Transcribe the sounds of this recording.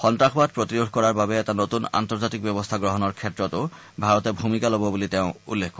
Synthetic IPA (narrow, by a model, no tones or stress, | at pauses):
xɔntaxbad̚pɹot̪iɾoɡʱkɔɹaɹbabɛɛtanot̪una̰nt̪ɔɹd͡ʑat̪ik̚bɛbɔst̪ʰaɡɹɔɦɔnɔɹkʰɛtːɹɔt̪o | bʱaɹɔt̪ebʱumikalobɔbuliteʊ̃ṵlːekʰːɔ